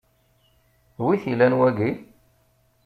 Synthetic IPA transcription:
wiθilænwæɡi

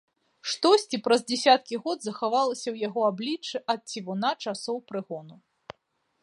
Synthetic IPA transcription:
ʂt̪ɔsʲt͡sʲipɾɐzd͡zʲɛsʲat̪̚kʲiɣɔd̪zɐxavalˠɐsʲɐwjaɣɔablʲit͡ʂːɨʔɐt̪̚t͡sʲivunat͡ʂasɔwpɾɨɣɔnu

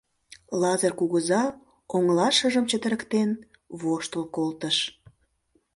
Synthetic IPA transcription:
lɑzərkuɣəzɑ | oŋlɑʃəʒəmt͡ɕət̪əɾəkt̪en | βoʃt̪əlkolt̪əʃ

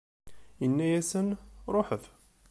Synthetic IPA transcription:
jənːæjæsənɾˤoħəθ

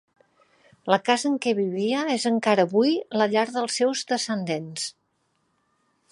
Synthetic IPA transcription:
ləkazəːŋkɛβiβiəezəŋkaɾəːβujləʎaɾðəlˠsɛwzdəsənd̪ens

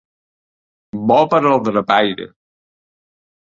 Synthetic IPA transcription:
bɔpəɾəlˠd̪ɾəpajɾə̰

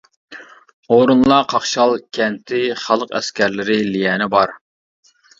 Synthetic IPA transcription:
oɾunlˠɑqʰɑχʃɑlˠkʲʰɛnt̪ʰɪχɑlˠəqɛ̰skʲæɾlɪɾɪlijɛːnɪbɑɾ

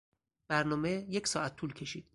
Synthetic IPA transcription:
b̥æɾnɒːmejecʰsɒːʔæt̪ʰːuːlcʲʰe̞ʃiːd̪̥

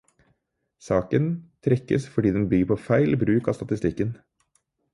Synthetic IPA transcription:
sɑːkənt̪ʰɾɛkːə̰sfɔɖiːd̪ɛnbyɡəpʰɔfæɪlbɾʉːkɑ̰ːst̪ɑt̪ɪst̪ɪkːən

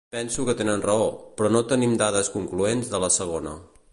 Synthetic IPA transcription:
pɛnsukət̪enənrəopɾɔnot̪ənimd̪aðəskuŋkluenzðələsəɣ̞onə̰

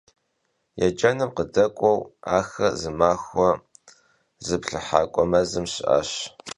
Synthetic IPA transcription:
jɛd͡ʒɐnɨmqədɐkʷʼɔwa̰ːxɐzɨmaːxɔ | zɨpɬɨħa̰ːkʷʼɔmɐzɨmɕʔa̰ɕ

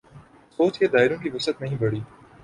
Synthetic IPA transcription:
soːt͡ʃked̪aːɪɾõːkiːʋɐsət̪nɐɦĩːbɐɽ̤iː

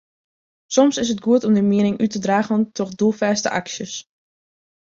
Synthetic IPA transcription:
sɔmsɪs̬əd̚ɡuətɔmdəmiənɪŋʔytədraːɣəntʰɔχdulˠfɛːstə̰ʔa̰ksjəs

